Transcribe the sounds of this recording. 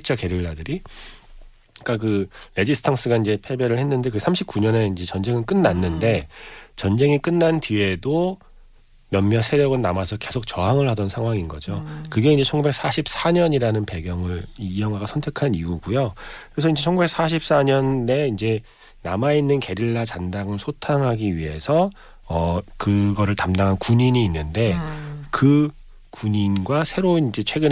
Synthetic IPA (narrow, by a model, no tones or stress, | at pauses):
t͡ɕ͈ʌke̞ɾjiɭːadɯɾi | k͈akɯɾe̞d͡ʑisʰɯ̥tʰaŋs͈ɯɡaind͡ʑe̞pʰe̞bjʌɾɯɭhe̞nːɯnde̞kɯsʰamɕʰip̚k͈uɲʌne̞ind͡ʑe̞t͡ɕʌnd͡ʑe̞ŋɯnk͈ɯnːanːɯnde̞t͡ɕʌnd͡ʑe̞ŋik͈ɯnːantiwe̞do | mjʌmmjʌsʰe̞ɾjʌɡɯnnamasʰʌke̞sʰok̚t͡ɕʌɦaŋɯɭhadʌnsʰaŋɦwaŋinɡʌ̰d͡ʑokɯɡe̞ind͡ʑe̞t͡ɕʰʌŋɡube̞k̚s͈ʰaɕʰip̚s͈aɲʌɲiɾanɯnpe̞ɡjʌŋɯɭiijʌŋɦaɡasʰʌntʰe̞kʰaniuɡujokɯɾe̞s̬ʰʌind͡ʑe̞t͡ɕʰʌŋɡubek̚s͈aɕʰip̚s͈aɲʌnːe̞ind͡ʑe̞ | namainːɯnke̞ɾiɭːat͡ɕandaŋɯɭsʰotʰaŋɦaɡiɥiɦe̞sʰʌ | ʌkɯɡʌɾɯɭtamdaŋɦankuɲiɲiːnːɯnde̞kɯ | kuɲinɡwasʰe̞ɾonind͡ʑe̞t͡ɕʰwe̞ɡɯn